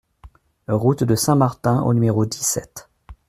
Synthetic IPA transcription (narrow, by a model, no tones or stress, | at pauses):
ʁut̪d̪əsɛ̃maʁt̪ɛ̃ʔo̰nymeʁod̪isɛt̪